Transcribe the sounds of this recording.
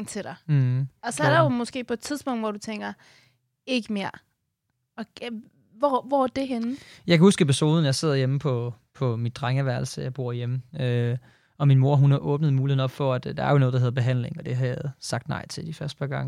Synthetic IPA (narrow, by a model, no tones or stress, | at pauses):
ŋt͡sʰe̝ɾ̥ɑ̈ɪɒ̽sɒɐɐɾɑ̈jo̝mɒ̽sɡ̥e̝̰ːpʰɒ̽ed̥̚t͡sʰiðˠsb̥ɔ̽ŋ̰d̥ʋɒd̥ut͡sʰeŋ̰ɡ̥ɐ | e̝ɡ̥əme̝ɐ̰ | ɒ̽ | ʋɒʋɒæd̥e̝ɦenjɑɪkʰæhusɡ̥əepʰiso̝ːð̞ˠn̩jɑ̈ɪse̝ð̞̰ˠɐjeməpʰɒ̽ | pʰɒ̽midd̥ʁaŋæʋæɐlsəjɑ̈ɪb̥o̝ɐ̰jeməø | ɒ̽minmo̝ɐ̰ɦunhɑ̈ʔɔ̽ːb̥nəð̞̩ˠmuːie̝ɒ̽b̥fɒ̽æd̥d̥ɑ̈æɐjo̝nɔ̽ːð̩̥ˠɑɦeð̩ˠb̥e̝ɦæn̰le̝ŋɒ̽d̥e̝ɦɑjæð̩ˠsɑ̈ɡ̥̚d̥nɑ̈ɪ̰t͡sʰe̝ld̥ifɶɐsd̥pʰɑ̈ɡ̥ɑ̈ŋ̰ə